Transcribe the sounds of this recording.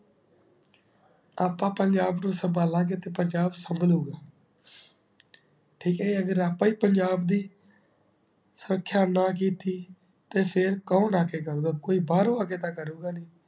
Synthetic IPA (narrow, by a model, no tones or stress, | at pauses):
aːpãːpəɲd͡ʒaːbnũːsəmbaːlãːkeːt̪eːpəɲd͡ʒaːbsəmbəluːɡaː | ʈʰiːkɦɛːeːəɡəɾaːpãːiːpəɲd͡ʒaːbd̪iː | səɾəkʰːjaːnãːk̬iːt̪iː | t̪eːpʰɪɾkãːnaːkeːkəɾuːɡaːkoːiːbaːɾõːaːkeːt̪ãːkəɾuːɡaːniː